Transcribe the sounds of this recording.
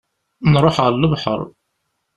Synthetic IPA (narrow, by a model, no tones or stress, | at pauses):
nɾˤoħʁəɾləvħə̰ɾˤ